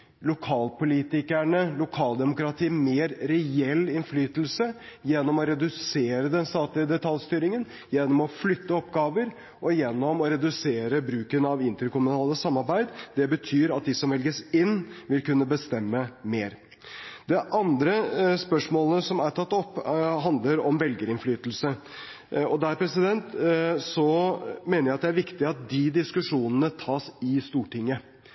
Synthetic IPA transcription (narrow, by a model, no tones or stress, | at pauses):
lʊkʰɑːlpʊliːt̪ɪkæɳəlʊkʰɑːld̪ɛmʊkɾɑt̪ʰiːmeːɾɾɛɛlːɪnflyːt̪lsəjɛnːɔmɔɾɛd̪ʉseːɾəd̪ɛnst̪ɑːt̪lɪəd̪ɛt̪ʰɑljst̪yːɾɪŋən | jɛnːɔmɔflʏt̪ːəɔpɡɑːʋəɾ | ɔjɛnːɔmɔɾɛd̪ʉseːɾəbɾʉːkənɑʋɪnt̪əɾkʊmʉnɑːləsɑmːɑɾbæɪd̪d̪ɛbət̪ʰyːɾɑt̪̚d̪ɪsɔmʋɛlɡəsɪnːʋɪlkʉnːəbəst̪ɛmːəmeːɾ | d̪ɛʔɑnd̪ɾəspœʂmoːləsɔmæʈʰɑt̪ːɔpːɦɑnd̪ləɾɔmʋɛlɡəɾɪnflyːt̪l̩sə | ɔd̪æɾpʰɾɛsɪd̪ɛnt̪sɔmeːnəɾjæɪɑt̪̚d̪ɛæɾʋɪkt̪ɪɑt̪̚d̪ɪd̪ɪskʉʂuːnənət̪ʰɑːsɪst̪uːʈɪŋːə